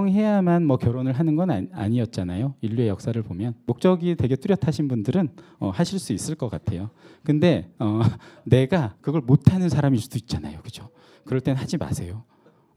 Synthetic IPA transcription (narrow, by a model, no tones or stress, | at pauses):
ŋɦe̞jamanmʌkjʌɾonɯɭɦanɯnɡʌna̰ɲiʌt̚t͡ɕ͈anajoiʎːue̞jʌk̚s͈aɾɯɭpomjʌnmok̚t͡ɕ͈ʌɡitwe̞ɡe̞t͈uɾjʌtʰaɕʰinbundɯɾɯn | ʌ̰haɕʰiɭs͈uis͈ɯɭk͈ʌk͈atʰe̞jokɯnde̞ʌne̞ɡakɯɡʌɭmotʰanɯnsʰaɾamisd͈uit̚t͡ɕ͈ana̰jokɯd͡ʑo | kɯɾʌɭt͈e̞nnɦad͡ʑima̰sʰe̞jo